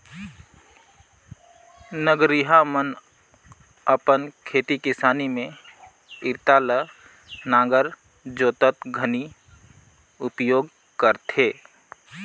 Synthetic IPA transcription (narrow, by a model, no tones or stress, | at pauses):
nəɡɾiɦamən | əpənkʰeːt̪ikɪsaːnimẽ | ɪɾt̪aːlə | nãːɡəɾ | d͡ʒoːt̪ət̪ɡʱəni | ʊpjoːɡ | kəɾt̪ʰeː